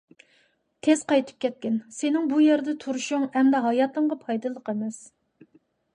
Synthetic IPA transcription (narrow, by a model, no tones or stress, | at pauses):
t̪ʰez̥qɑjt̪ʰɨ̥p̚kʲɛt̪̚kʲɪnsenɪŋbujɛɾd̪ɛt̪ʰuɾuʃʊŋhɛmd̪ɛɦɑjɑt̪ɨɴʁɑpʰɑjd̪ɨlˠəqemɛs